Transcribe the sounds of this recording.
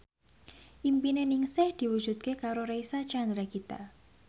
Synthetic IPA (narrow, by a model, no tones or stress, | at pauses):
ʔimpinenɪŋsɛhd̪̥i̤wu̥ʒ̥ṳt̪̚kekaɾoɾeisat͡ʃand̪ɾakit̪a̰